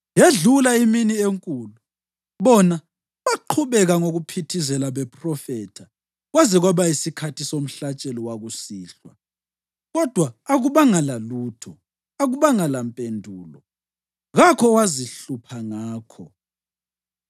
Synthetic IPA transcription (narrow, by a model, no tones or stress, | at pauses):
jeɮulaiminieŋkʼuːlu | βɔna | βaǃʰuβɛɣaŋoɣupʰitʰizɛlaβɛpʼrɔfɛtʰa | ɣwazɛɣwaβaisikʰatʰisom̩ɬat͡ʃʼɛlɔwaɣusiːɬwa̰ | ɣɔd̥ʱwaːɣuβaŋalaluːtʰɔ̰ | aɣuβaŋalampʼendʱuːlɔ | ɣakʰɔwaziɬupʰaŋaːkʰɔ̰